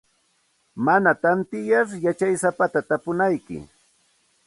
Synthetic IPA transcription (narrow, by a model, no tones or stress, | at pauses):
manat̪ant̪ɪjaɾjat͡ʃajsapat̪at̪apʊnajkɪ̰